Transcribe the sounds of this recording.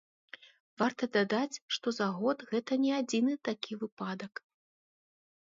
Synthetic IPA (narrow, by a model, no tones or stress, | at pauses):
vart̪ɐd̪ad̪at͡sʲʂt̪ɔzaɣɔt̪ɣɛt̪ɐnʲɛad͡zʲinɨt̪akʲivɨpad̪ɐk